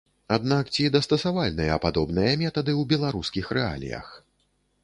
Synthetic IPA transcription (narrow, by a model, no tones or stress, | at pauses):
ad̪nakt͡sʲid̪ɐst̪ɐsavalʲnɨjɐːpad̪ɔbnɨjɐmʲɛt̪ɐd̪ɨwbʲɛlˠaɾuskʲixɾɛa̰lʲḭjɐ̰x